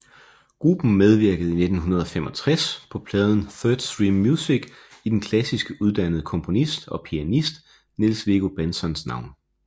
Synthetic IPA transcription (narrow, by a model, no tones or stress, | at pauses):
ɡ̥ʁub̥n̩með̞ˠʋiɐɡ̥əð̩ˠine̝d̥n̩ɦunɐð̞ˠɒ̽femɒ̽t͡sʰʁaspʰɒ̽pʰlɛðˠn̩θœːd̥sd̥ʁiːmːjusiɡ̥ | id̥enkʰlæsisɡ̥əuð̞ˠd̥æn̰əð̞̩ˠəkʰɒ̽mpʰo̝nisd̥ɒ̽pʰiænisd̥ | ne̝lsʋe̝ɡ̥o̝b̥ensɒ̽nsnɑ̈ʊ̰n